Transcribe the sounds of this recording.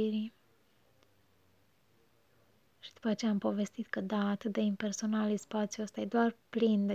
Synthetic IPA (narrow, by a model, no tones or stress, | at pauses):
iɾi | ʃid̪upət͡ʃeampo̞ve̞st̪it̪kəd̪aːt̪ɨt̪̚d̪e̞impe̞rso̞nalispat̪sjuəst̪ajed̪oarplind̪